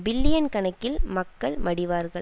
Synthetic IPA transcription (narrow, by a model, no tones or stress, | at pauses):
bɪlːɪjɐnkɐɳɐkːɪlmɐkːɐɭmɐɽɪʋaːɾɣɐɭ